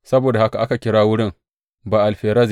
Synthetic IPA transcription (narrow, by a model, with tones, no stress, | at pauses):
sɐ˦boː˨da˨ha˦ka˨ʔa˦ka˨kʲɪ˦ɽaː˦wʊ˦ɽɪ˦ŋ | baː˨ʔa˨lɸeː˨ɾɐ˦z